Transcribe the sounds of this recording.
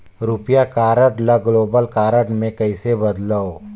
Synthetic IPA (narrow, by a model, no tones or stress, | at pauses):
ɾʊpjakaːɾəʈlaɡloːbəlkaːɾəʈmẽkɐisebɐd̪lao